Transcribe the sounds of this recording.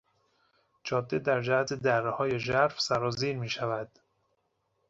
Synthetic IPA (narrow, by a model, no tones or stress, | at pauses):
d͡ʒɒːd̪ːed̪æɾd͡ʒæhæt̪ʰed̪ærːehɒːje̞ʒæɾfsæɾɒːziːɾmiːʃævæd̪̥